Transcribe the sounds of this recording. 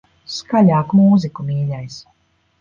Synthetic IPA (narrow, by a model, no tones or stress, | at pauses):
skalʲaːkmuːzikumiːʎʲajs